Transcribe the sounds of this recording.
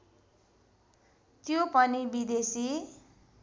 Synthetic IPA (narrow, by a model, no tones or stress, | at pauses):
t̪jopʌnibid̪esi